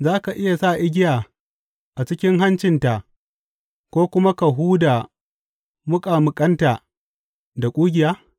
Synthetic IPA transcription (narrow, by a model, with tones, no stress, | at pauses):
zaː˦ka˨ʔɪ˦ja˨saː˦˨ʔɪ˦ɡʲɪ˦jaː˨ | ʔa˨t͡ʃɪ˦kʲɪ˦ŋɦa˦nt͡ʃɪ˨nta˨ʔ | kʷoː˦kʷʊ˦ma˦ka˨ɦuː˦da˨ | mʊ˦kʼa˨mʊ˨kʼɐ˦nta˨ | da˨kʷʼuː˦ɡʲɪ˨jaː˦